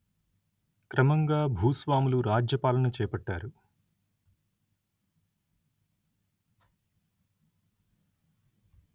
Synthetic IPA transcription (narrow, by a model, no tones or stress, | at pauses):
kɾɐmɐŋɡaːbʱuːsʋaːmuluɾaːd͡ʒjɐpaːlɐnɐt͡ʃɛːpɐʈːaːɾu